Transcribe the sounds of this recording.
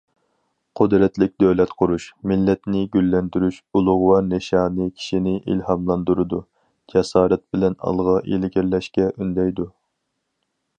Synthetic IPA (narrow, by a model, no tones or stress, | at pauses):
qʰʊd̪ɾɛt̪lɪk̚ʲd̪øwlɛt̪qʰʊɾuʃmɪlːɛt̪nɪɡʲylːɛnd̪yɾyʃulˠʊʁʊwɑneʃɑːnɨkʲʰi̥ʃinɪʔḭlhɑmlˠɑnd̪uɾɨd̪u | d͡ʒɛsɑːɾɛt̪̚bɪlɛnɑ̰lˠʁɑʔḛlɪɡʲiɾlɛʃkʲɛʔynd̪ɛjd̪u